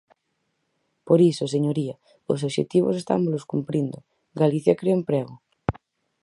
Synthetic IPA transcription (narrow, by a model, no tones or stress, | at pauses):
poɾisoseɲoɾia | o̰soβʃḛt̪iβo̰sest̪a̰mozloskumpɾind̪o | ɡaliθjakɾeoempɾɛɣo